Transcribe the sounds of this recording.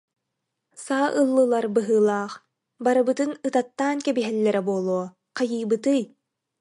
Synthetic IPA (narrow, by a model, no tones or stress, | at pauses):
saːʔɯlˠːɯlˠaɾbɯɦɯːlˠaːχ | baɾɯbɯt̪ɯnɯt̪at̪ːaːnkɛbiɦɛlːɛɾɛbuɔlˠuɔ | qajɯːbɯt̪ɯj